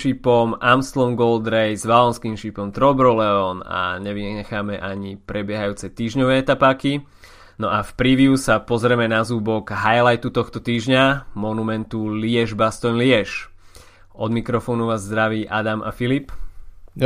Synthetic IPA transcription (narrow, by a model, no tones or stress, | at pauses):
ʃipɔmʔamst̪lɔmɡɔld̪ɾɛjzʋalɔnskiːmʃipɔmt̪ɾɔbɾɔlɛɔna̰ɲɛʋiɛxaːmɛʔaɲipɾɛbɪɛɦajuːt͡sɛt̪iːʒɲɔʋɛːɛt̪apaːki | nɔʔafpɾiʋjusapɔzɾɛmɛnazuːbɔɡɦajlajt̪ut̪ɔxt̪ɔt̪iːʒɲamɔnumɛnt̪ulɪɛʒbast̪ɔɲlɪɛʃ | ʔɔd̪mikɾɔfɔːnuʋaːzːd̪ɾaʋiːʔad̪ama̰filip